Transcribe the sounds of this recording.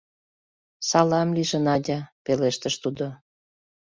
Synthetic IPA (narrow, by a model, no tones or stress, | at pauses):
sɑlɑmliʒə̆nɑdʲɑpeleʃt̪ə̆ʃt̪ud̪o